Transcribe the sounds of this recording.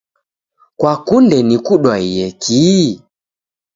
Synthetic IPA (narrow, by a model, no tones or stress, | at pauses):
kwakundɛnikuɗwaijɛkʰi